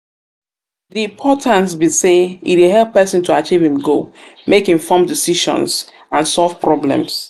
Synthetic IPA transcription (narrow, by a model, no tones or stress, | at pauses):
ðiĩmpʰɔtʰãnsbiseḭtiɦɛlˠpːɛsĩntʰuat͡ʃivĩmɡomekĩɱfɔ̃mdisiʃɔ̰̃ns | ãnsɔlvpɹɔblɛ̰̃ms